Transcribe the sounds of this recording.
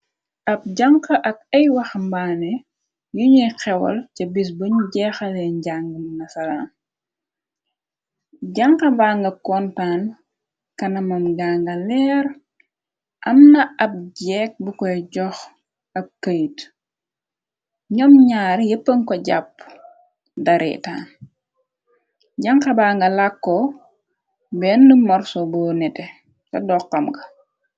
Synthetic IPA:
ʔɐp̚ɟaŋkɐʔɐk̚ɐjwɐxmbaːnɛ | juɲijxɛwɐ̰lcɐbis̬bɐɲuɟɛːxɐlɛɲɟaŋɡɐmnɐsɐɾa̰n | ɟaŋkɐbaːŋɡɐkɔntaːn | kɐnɐmɐmɡaŋɡɐlɛːr | ʔɐmnɐɐp̚ɟɛːk̚bukɔjɟɔx | ɐkːɐjt | ɲɔmɲaːɾjəpːəŋkɔɟapː | dɐɾʔɛ̰ta̰n | ɟɐŋkɐbaːŋɡɐlakːɔ | bɛnːumɔrsɔbunɛtɛ | kɐdɔqːɐmɡɐ

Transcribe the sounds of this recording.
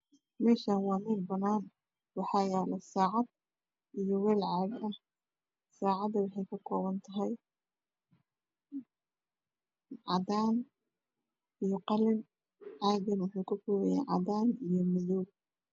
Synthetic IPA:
mɛːʃaːnwɑːmɛnbɐnaːn | wɑħɑːjɛːlɛsaːʕɑd̪ | ʔijɔwɛːlʕaːɡɐh | saːʕɑd̪ɐwɑħɑjkʰɐkʰɔːβɐnt̪ʰɐɦɛj | ʕɑ̰ðaːn | ijɞqɑlɪn | ʕɑːɡɐnwʊħuːkʰʊkɔːwɛja̰ːʕɑ̰daːnijɞmʊðuɡ̚

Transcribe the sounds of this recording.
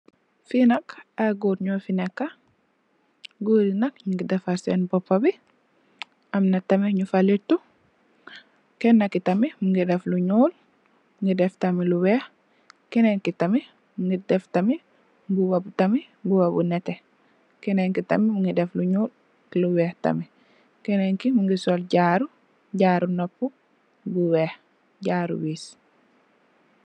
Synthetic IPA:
finɐkaɡuɾɲɔfinɛkːa | ɡuːdinɐkɲuɡidɛfaɾsɛnbɔpːɐbi | ʔɐmnɐtɐmiɲufalitu | kɛnːɐkitɐmimuŋɡidɛfluɲuːl | mŋɡidɛftamiluwɛːh | kinɛnkitɐmi | muŋɡidɛftɐmi | ɡuwabutɐmi | ɡuwabṵnɛtɛ | kɛnɛŋkitɐ̰mimuŋɡidɛfluɲuːl | luwɛːhtɐ̰mi | kɛnɛŋkimuŋɡisolɟaːɾu | ɟaːɾunopːu | ɡuwɛːh | ɟaːɾṵwiːs

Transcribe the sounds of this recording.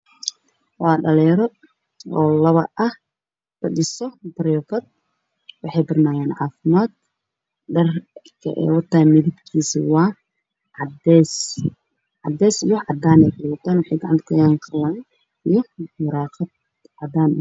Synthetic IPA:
wɑːɖɐlɛːɾɔ | ɔːlɐβɐ̰ʔɐh | bɐɗɪsɔbɐɾɔːfɐd̪̚ | wɑħɑjbɪrnaːjɛːnʕaːfɪmaːd̪̚ | ɖɐrkʰɐ̰ʔɛ̰ːwɐrt̪aːmɪðibkʰiːsiwɑː | ʕɑd̪ɛːs | ʕɑ̰d̪ɛːsijɔʕɑd̪aːnɛjkʊwɐt̪ʰaːnwɑħɑjɡɐʕɑnt̪kʰʊjaːŋqʰɐjaːn | ijɔmʊɾɑːqɐd̪̚ | ʕɑd̪aːn

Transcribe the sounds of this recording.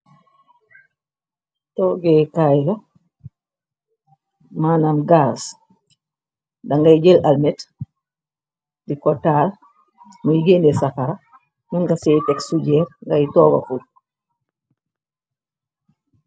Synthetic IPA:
tɔːɡɛkajla | maːnamɡaːs | daŋɡaiɟelʔalmɛt | dikɔtaːl | mujiɡendɛsafaɾa | nuŋɡaseːtɛksuɟɛːɾŋɡajitɔːɡa̰ful

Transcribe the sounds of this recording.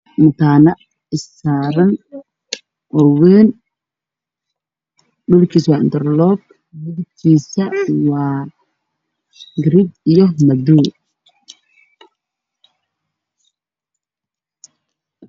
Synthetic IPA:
mʊt̪ʰaːnɐ | ɪsaːɾɐn | ʔɔwɛːn | dʊlkʰiːswɑːɪ̰nd̪ɛrlɔb | nʊlkʰiːsɐwɑː | ɡɾid̪ijɔmɐd̪uː

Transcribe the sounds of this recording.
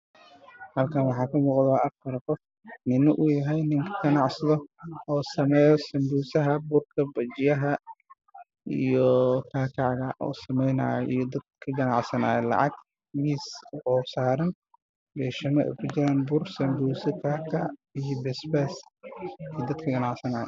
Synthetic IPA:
hɐlkʰɐnwɑħɑːkʰɐmuːqðaːʔɐfɐɾqɔf | nɪnɔʔʊjɐɦɛjnɪŋkʰɐ̥ɡɐnɑʕsɐðɔɔːsɐmɛːjɔsɐmbuːsɐɦɐbʊrkʰɐbɐt͡ʃɪjɐɦɐ | ḭjɔkʰaːkʰaʕɣɐʔɔ̰ːsɐmɛjna̰ːjʔḭjɔd̪ɐd̪̚kʰɐɡɐnɑʕsɐna̰ːjɛlɑ̰ʕɑ̰ɡ | miːsɔːsaːɾɐn | bɛːʃɐnɐʔɛ̰jkʰʊt͡ʃɪɾaːnbʊrsɐmbuːsɪkʰaːkʰɐʕijɔbɛsbɛːs | ijd̪ɐd̪kʰɐɡɐnɑʕsɐnaːjɔ̰

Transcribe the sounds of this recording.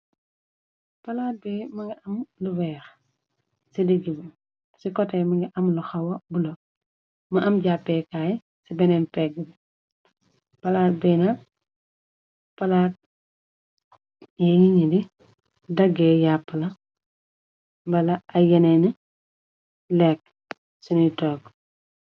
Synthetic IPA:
pɐlaːt̚bɛmɐŋɡɐʔɐmluwɛːɾ | sidiɡib | sikɔtɛmɐɡiʔɐmluxɐwɐbulo | mɐʔɐmɟapːɛkaːjɛ | sibɛnɛnpɛɡibi | pɐlaːt̚bɛna | pɐlaːt̚ | jɛjiɲidi | dɐɡɛːjapːəlɐ | bɐlɐʔɐjɐnɛni | lɛːk̚ː | sinitɔːɡ

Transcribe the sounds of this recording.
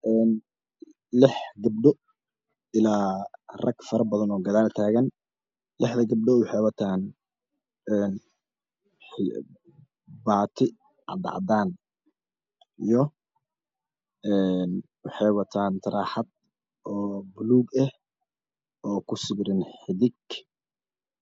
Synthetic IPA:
ʔɛːn | lɪħɡɐb̚ɖɔ | ɪlaːrɐɡfɐɾɐbɐðɐnɔːɡɐðaːlt̪ʰaːɣɐn | lɪħd̪ɐɡɐb̚ɖɔwħɛwɐt̪ʰaːn | ɛːn | baːt̪ʰɪ | ʕɑ̰d̪ɑ̰ʕd̪aːn | ijɔ | ɛn | wɑħɛjwɐt̪ʰaːnt̪ʰɐɾaːħɑd̪̚ | ɔːbʊluːɡɛh | ʔɔːkʰʊsɪβɾɪnħɪðɪɡ

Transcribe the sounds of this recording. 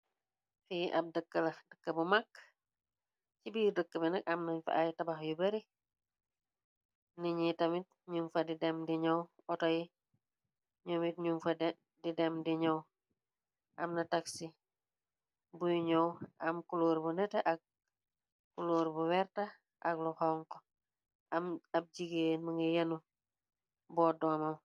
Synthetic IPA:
fiːʔɐp̚dəkːəlɐdəkːəbumakː | cibiːrdəkːəbɛnɐk̚ɐmnɐɲfɐ̰ʔajtɐbaxjubɐɾi | niɲitɐmit̚ɲumfɐdidɛmdiɲɔw | ɔtɔji | ɲɔmit̚ɲumfɐd | didɛmdiɲɔw | ʔɐ̰mnɐtaksi | bujuɲowɐmkuloːɾbunɛtɐʔɐk̚ | kuloːɾbuwɛɾtɐ | ʔɐk̚luhaŋkɔ | mɐp̚ɟiɡenmɐŋɡɐjɐnu | bɔːdɔːmɐw

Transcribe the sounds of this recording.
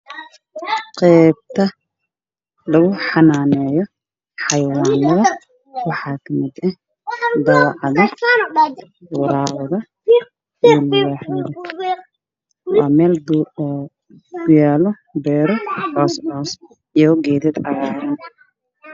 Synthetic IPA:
qɛːb̚t̪ʰɐ | lɐɣʊħɑnaːnɛːjɔ | ħɑjwɑːnɐðɐ | wɑħɑːkʰɐmɪd̪ɛ | d̪ɐwɑʕɑðɐ | wɑɾaːwɐðɐ | ilɐɣaːħmɪɾɔ | waːmɛːld | ɡʊjaːlɔ | bɛːɾɔhɔːsʕɔs | ijɔɡɛːðɛd̪ɐɣaːɾɐn

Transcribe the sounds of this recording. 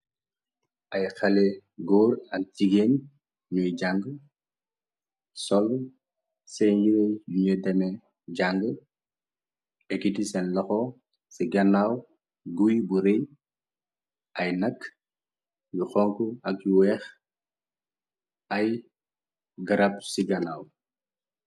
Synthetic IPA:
ʔɐjxɐlɛɡɔːɾɐk̚ciɡen | nujɟaŋɡə | sɔl | sɛɲjiɾeduɲədɛmɛ | ɟaŋɡə | ɛɡitisɛnlɐxɔ | siɡɐnːaw | ɡujbuɾɛj | ʔɐjnɐkː | juxɔŋkuɐk̚juwɛːx | ɐj | ɡɐɾɐp̚siɡɐnaːw

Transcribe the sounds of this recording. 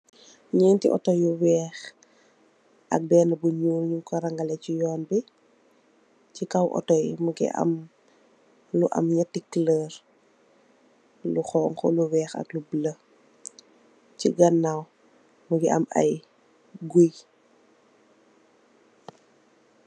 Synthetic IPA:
ɲɛːntḭʔɔ̰tɔjuwɛːx | ʔɐ̰k̚bɛːnɐbuɲuːlɲuŋkɔɾɐŋɡɐlɛcijɔːnbi | cikɐwʔɔ̰tɔjmuɡḭɐ̰m | luʔɐ̰mɲɐtikːləːr | luxɔːŋkɔluwɛːxɐ̰klublə | ciɡɐnːaw | muɡiʔɐ̰mɐ̰j | ɡuj

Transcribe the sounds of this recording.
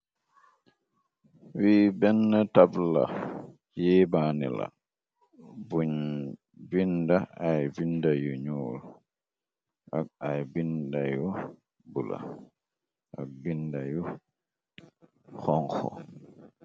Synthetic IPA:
wiːbɛnːatabla̰ | jɛbaːnḭla̰ | u | vindaajvindajuɲuːl | ʔakajbindaju | bula̰ | ʔaɡ̚bindaju | xɔŋxɔ̰

